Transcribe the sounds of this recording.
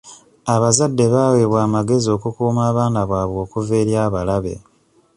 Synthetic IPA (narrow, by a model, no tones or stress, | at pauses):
aβazadːe̞βaːweːβwaːmaɡe̞zio̞ːkukuːmaːβaːnaβwaːβwo̞ːkuve̞ːɾjaːβalaβe̞̰